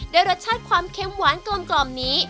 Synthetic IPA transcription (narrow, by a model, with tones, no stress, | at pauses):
daː˧jɾa˧˦˥t̪̚t͡ɕʰaː˥˩t̪̚kʰwaː˧mkʰe˦˥mwaː˨˩˥nklo˧nklɔː˨˩mniː˦˥